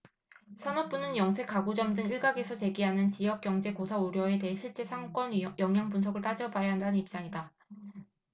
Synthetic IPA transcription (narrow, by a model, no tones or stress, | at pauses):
sʰanok̚p͈unɯnjʌŋsʰe̞k͈aɡud͡ʑʌmdɯŋiɭɡaɡe̞sʰʌt͡ɕe̞ɡiɦanɯnt͡ɕijʌk̚k͈jʌŋd͡ʑe̞kosʰauɾjʌe̞te̞ɦeɕʰiɭt͡ɕ͈e̞sʰaŋk͈ʌnjʌŋjaŋbunsʰʌɡɯɭt͈ad͡ʑʌbajaɦandanɯnip̚t͡ɕ͈aŋida